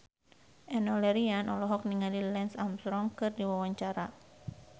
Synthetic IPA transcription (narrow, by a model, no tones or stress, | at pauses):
ʔɛnɔlɛɾianʔɔlɔɦɔk̚niŋalilɛnsamsɾɔŋkɨrdiwawaɲt͡ʃaɾa